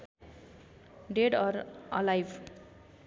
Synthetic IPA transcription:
ɖeɖʌɾʌ̰lajbʰ

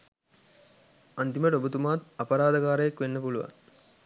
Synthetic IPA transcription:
ɐnt̪iməʈobut̪umaːt̪ɐpɐɾaːd̪ɐkaːɾəjakʋenːəpuluʋa̰ŋ

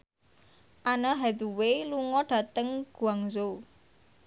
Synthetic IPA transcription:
ʔanɔɦɛd̪uweluŋɔɖ̥ä̤t̪əŋɡ̥uaŋzo

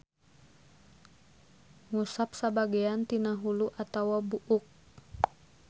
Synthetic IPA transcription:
ŋusap̚sabaɡɛant̪inaɦuluʔat̪awabuʔuk̚

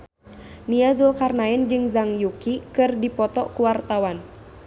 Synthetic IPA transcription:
niazulkarnaɛnd͡ʒɨŋzaŋjukikɨrdipɔt̪ɔkuwart̪awan

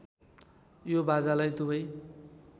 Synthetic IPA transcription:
jobad͡zalajt̪ubʌj

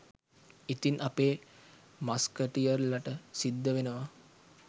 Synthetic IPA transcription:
it̪inʔapeː | maskəʈijəɾlaʈəsid̪ːəʋenəʋa

